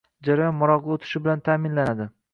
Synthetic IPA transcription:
d͡ʒaɾɒjɒnmʊɾɒʁlˠot̪ʰɪ̥ʃɪbɪlant̪ʰaːmɪnlanad̪ɪ

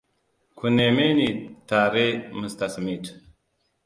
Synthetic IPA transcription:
kʰunemenit̪aːɾemust̪ɐsmitʰ

